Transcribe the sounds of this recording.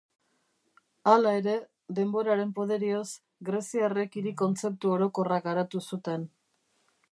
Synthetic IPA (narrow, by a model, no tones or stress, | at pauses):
alae̞ɾe̞ | ðe̞mbo̞ɾaɾe̞mpo̞ðe̞ɾio̞s | ɡɾe̞siare̞kiɾiko̞nt͡se̞p̚t̪uo̞ɾo̞ko̞rak̚ɡaɾat̪usut̪e̞n